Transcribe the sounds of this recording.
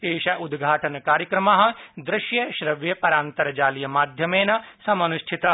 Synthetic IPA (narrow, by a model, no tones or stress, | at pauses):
eːʃɐʔud̪ɡʱaːʈɐnɐkaːɾjɐkɾɐmaːɦɐ̆d̪ɾɪʃjɐʃɾɐʋjɐpɐɾaːnt̪ɐɾɐd͡ʒaːlijɐmaːd̪ʱjɐmeːnɐsɐmɐnuʃʈʰit̪ɐ